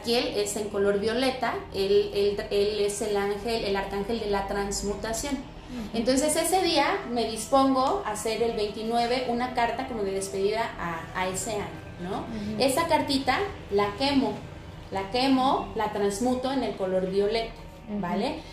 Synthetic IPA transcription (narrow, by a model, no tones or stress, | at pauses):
kjele̞se̞ŋko̞lo̞ɾβjo̞le̞t̪aeleleleselaŋxelelaɾkaŋxe̞ld̪e̞lat̪ɾanzmut̪asjo̞n | ent̪o̞ns̬e̞se̞se̞ðiame̞ðispo̞ŋɡo̞ase̞ɾe̞lβe̞jnt̪inwe̞βe̞ʔunakaɾt̪ako̞mo̞ðe̞ðe̞spe̞ðiðaʔaːe̞se̞aɲono̞e̞sakaɾt̪it̪alake̞mo̞ | lake̞mo̞lat̪ɾanzmut̪o̞ene̞lko̞lo̞ɾβjo̞le̞t̪ḁ | bale